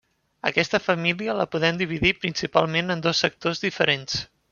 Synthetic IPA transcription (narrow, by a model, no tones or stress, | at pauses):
əkɛst̪əfəmiliələpuðɛmd̪iβ̞iðipɾinsipalˠmenənd̪ɔsːək̚t̪ozðifəɾens